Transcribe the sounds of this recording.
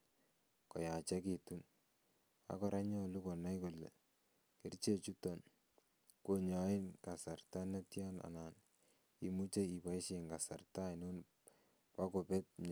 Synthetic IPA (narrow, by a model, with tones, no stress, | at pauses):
kɔ˨ja˨t͡ʃɛ˦ki˨tu˦n | a̰˨˦kɔ˦ɾa˦ɲɔ˦lu˦kɔ˨na˦jko˨lːɛ̰˨ | ki˨˦rt͡ʃe˦t͡ʃu˦tɔ˦n | ko˨ɲa˨ɪ˦nka˨sa˨rta˦ne˦tja˦na̰˨na˨n | i˨mu˦t͡ʃe˦i˨pa˨i˦ʃe˨ŋɡa˨sa˨rta˦i˨nʊ˦n | pa˦ko˨pɛ˦t̚ɲa˨